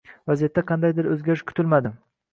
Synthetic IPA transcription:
vazijat̪ːaqʰɑnd̪ajd̪ɪɾɵzɡʲaɾɪʃkʰʊ̥t̪ʰɪlmad̪ɪ

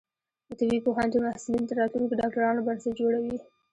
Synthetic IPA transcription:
d̪ət̪aɡikoɦɑnd̪əmahsɪlint̪aɾɑt̪lunokeɖɑk̚ʈaɾɑnobaɾsad͡ʒoɽawi

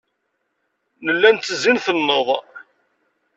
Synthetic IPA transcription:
nəlːænt̪ːəzinθənːəðˤ

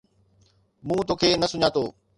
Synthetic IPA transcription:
mũːt̪oːkʰeːnɐsʊɲãːt̪oː

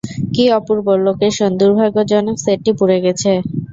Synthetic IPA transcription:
kiɔpuɾboɾlokeʃond̪uɾbʱaɡod͡ʑɔneseʈːipuɾeɡɛt͡ɕʰe

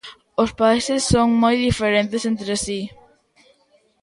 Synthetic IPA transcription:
ospaisesːoŋmojðifeɾẽnt̪esent̪ɾesi

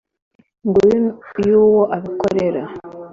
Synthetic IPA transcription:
ŋɡuɾijuːwoʔaβikoɾe̞ɾa

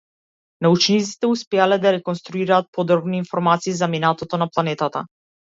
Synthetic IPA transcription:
naut͡ʃnit̪si̥t̪ɛuspɛalɛd̪aɾɛkɔnst̪ɾuiɾaːt̪̚pɔd̪ɾɔbniːnfɔɾmat̪siːzaminat̪ɔt̪ɔnaplˠanɛt̪at̪a̰

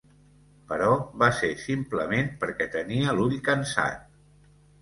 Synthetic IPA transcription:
pəɾɔβasesimpləmenpəɾkɛt̪əniəlunikənsa̰n

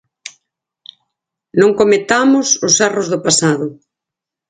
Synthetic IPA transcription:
nõŋkomet̪amʊsʊsarozðʊpasaðʊ

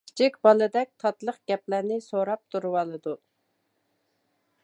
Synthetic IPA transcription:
t͡ʃʰikʲbɑlˠɨd̪ɛk̚ʲt̪ʰɑt̪lˠəqɡ̥ʲɛplæɾnɪsoɾɑp̚t̪ʰuɾwɑlˠɨd̪u

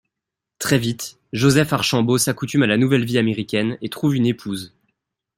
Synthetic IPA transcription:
t̪χɛvit̪ | ʒozɛfaʁʃɑ̃bosakut̪ymalanuvɛlviameʁikʲɛnet̪χuvynepʰuːz

